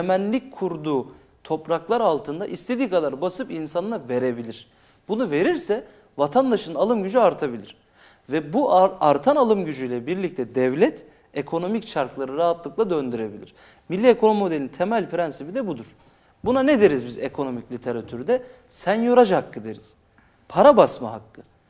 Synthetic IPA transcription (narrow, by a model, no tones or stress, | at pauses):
emænlʲic̚kʰuɾd̪uː | t̪ʰo̞pɾaklˠaɾalˠt̪ʰɯnd̪aʔist̪ʰe̞d̪iːkad̪aɾbasɯpinsanɯnˠave̞ɾe̞bilʲiɾ̥ | bunuve̞ɾiɾsɛ | vat̪ʰand̪aʃɯnalˠɯmɟyd͡ʒyaɾt̪ʰabilʲiɾ̥ | vɛbuʔaɾt̪ʰanalˠɯmɟyd͡ʒyjlʲɛbiɾlʲic̚t̪ʰɛd̪ɛvlʲɛt̪ʰ | ekʰo̞no̞micʃaɾklˠaɾɯɾaɦat̪lˠɯklˠad̪ø̞nd̪yɾe̞bilʲḭɾ̥ | milʲːiekʰo̞nomio̞d̪elʲint̪ʰemælʲpʰɾɛnsipid̪ɛbud̪uɾ̥ | bunaned̪e̞ɾizbizekʰo̞no̞miclʲit̪ʰe̞ɾat̪ʰyɾd̪ɛ | sɛnjoɾad͡ʒhakʰːɯd̪eɾiz̥ | pʰaɾabasmaɦakːɯ